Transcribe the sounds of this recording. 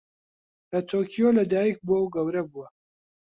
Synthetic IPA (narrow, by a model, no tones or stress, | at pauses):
lɐt̪ʰoːkʰijoːlɐd̪aːjik̚buɐwɡɐwɾɐbuwɐ